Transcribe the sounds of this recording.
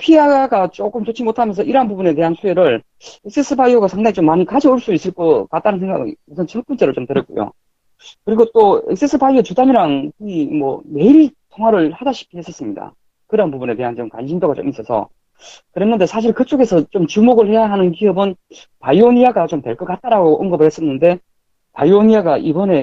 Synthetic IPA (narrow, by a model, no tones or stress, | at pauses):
pʰiaɡat͡ɕ͈ok͈ɯmt͡ɕot͡ɕʰimotʰamjʌnsʰʌiɾanpubune̞t̬e̞ɦansʰujeɾɯɭ | eks͈es͈ʰɯbajoɡasʰaŋdaŋit͡ɕomːaɲikad͡ʑioɭs͈uis͈ɯɭk͈ʌk͈at̚t͈anɯnsʰeŋɡa̰ɡɯ̰usʰʌnt͡ɕʰʌɭ̚p͈unt͡ɕ͈e̞ɾot͡ɕomtɯɾʌt̚k͈o̰jo̰ | kɯɾiɡot͈oek̚s͈es͈ʰɯbajiet͡ɕudaɲiɾaŋkiimwʌ̰me̞iɾitʰoŋɦaɾɯɭhadaɕʰi̥k͈ʰiɦes͈ʌs͈ɯmɲida̰ | kɯɾanpubune̞te̞ɦant͡ɕomka̰nɕʰindoɡat͡ɕo̰mis͈ʌsʰʌ̰ | kɯɾenːɯnde̞sʰaɕ̬ʰiɭkɯt͡ɕ͈oɡe̞sʰʌt͡ɕomt͡ɕumoɡɯɭhe̞jaɦanɯnkiɦɯbɯn | pajoɲijaɡat͡ɕomtwe̞ɭk͈ʌk͈at̚t͈aɾaɡoʔɯŋɡʌbɯɭhe̞s͈ʌnːɯnde̞ | pajuoɲijaɡaʔibʌne̞